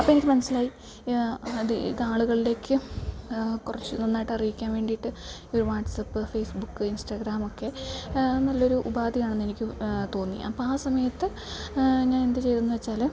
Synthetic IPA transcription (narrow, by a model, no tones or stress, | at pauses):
ɐpːoːe̞nikʲːɨmɐnɐsːilaːji | ðiḭðaːɭuɣɐɭile̞ːkːɨ | kurɐt͡ɕːɨninːaːjiʈːɐrijikʲːaːnʋe̞ːɳɖijʈːɨ | oɾuʋaːʈsɐpːɨfeːsbukːɨinsʈɐɡɾaːmo̞kːe̞nɐlːɐo̞ɾuʔubaːd̪ijaːɳenːe̞nikʲːɨt̪o̞ːnːḭɐpːoaːsɐmɐjɐt̪ːɨ | ɲaːnend̪et͡ɕe̞jt̪unːuʋet͡ɕːaːl